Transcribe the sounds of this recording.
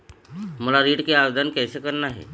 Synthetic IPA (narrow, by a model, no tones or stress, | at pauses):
məlaɾiːʈkeaʋd̪ʱankɛjsekəɾnaɦḛ